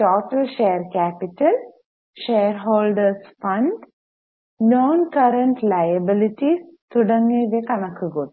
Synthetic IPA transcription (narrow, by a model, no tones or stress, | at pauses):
ʈoːʈəlʃejəɾkɛːpɪʈəl | ʃeːɾɦoːlɖəɾsfɐ̃ɳɖ | noːnkɐɾəɳʈlaːjəbɪlɪʈist̪ʰʊɖə̃ŋɡẽʋekɐnɐkʰɡot̪